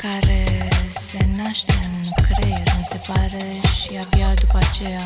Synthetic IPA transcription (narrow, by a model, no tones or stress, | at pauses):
kaɾesenaʃt̪ekɾejmise̞paɾe | ʃiabjad̪upat͡ʃeja